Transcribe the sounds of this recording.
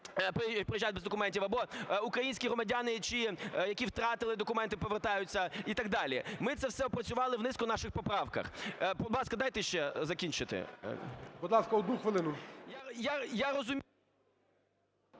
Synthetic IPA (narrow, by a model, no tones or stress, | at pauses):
ppɾɪjʒajd̚ʲbɛzd̪ɔkʊmɛnʲtʲiwɐbɔʊkɾɐjinʲsʲkʲiɦɾɔmɐdʲanɪt͡ʃijɐkʲiwt̪ɾɑt̪ɪlˠɪd̪ɔkʊmɛnt̪ɪpɔʋert̪ɑjʊt͡sʲːɐit̪ɐɡ̚d̪ɑlʲimɪt̪sɛwsɛɔpɾɐt͡sʲʊʋɑlˠɪwnɪskʊnɑʃɪxpɔpɾɑwkɐ̰xbʊd̪lɑskɐd̪ɑjt̪ɛʃt͡ʃɛzɐkʲinʲt͡ʃɪt̪ɪ̰ | bud̪lˠɑskɐɔd̪nuxʋɪlˠɪnʊjajajaɾɔzʊmʲ